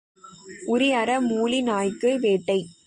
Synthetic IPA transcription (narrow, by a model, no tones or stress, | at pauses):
ʊɾɪɐɾɐmuːɭinaːjkːɯʋeːʈːɐɪ